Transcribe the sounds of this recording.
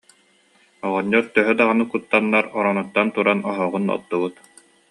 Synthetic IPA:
ɔʁɔɲːɔɾt̪œɦœd̪aʁanɯkut̪ːanːaɾɔɾɔnut̪ːant̪uɾanɔɦɔːʁunɔ̰t̪ːuβut̪

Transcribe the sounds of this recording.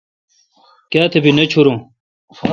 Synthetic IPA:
kaːt̪ʰebinet͡ɕʰuɾũ

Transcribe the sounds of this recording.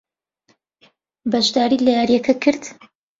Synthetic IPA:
bɐʃd̪aːɾiːlɐjaɾjɛkʰɐkʰɨɾd̪

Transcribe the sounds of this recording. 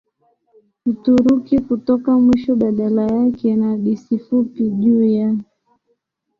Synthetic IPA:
utuɾukikutɔkamwiʃɔɓaɗalajakɛnaɗisifupiʄuːja

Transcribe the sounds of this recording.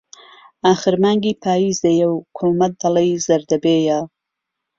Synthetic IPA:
aːxɨɾmaːŋɡiːpʰaːjiːzd̪ɐjɐwkʰomɐk̚d̪ɐlɐjzɐɾd̪ɐbeːja

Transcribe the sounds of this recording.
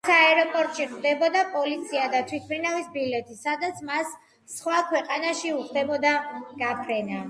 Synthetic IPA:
sʰaɛɾɔpʼɔɾt̪ʼʃiχd̪ɛbɔd̪apʼɔlit̪sʰiad̪at̪ʰwit̪̚ʰbʰɾinavisbilɛt̪ʼʰisad̪at̪sʰmasː | χwakʰwɛqʼanaʃiuχd̪ɛbɔd̪aɡ̥apʰɾɛna

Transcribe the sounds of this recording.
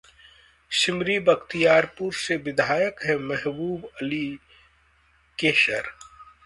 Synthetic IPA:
ʃɪmɾibɐkt̪ijaːɾpuɾseʋɪd̪ʱaːjəkɦɛmɛɦbuːbɐli | keːʃəɾ

